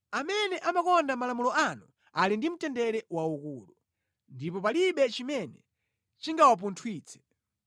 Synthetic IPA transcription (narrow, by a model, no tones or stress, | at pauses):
amɛnɛʔamakɔndamalamulɔanu | alindim̩tɛndɛɾɛwaukuːlu | ndipɔpaliɓɛt͡ʃimɛnɛ | t͡ʃiŋɡawap̬untʰwiːt͡sʰɛ̥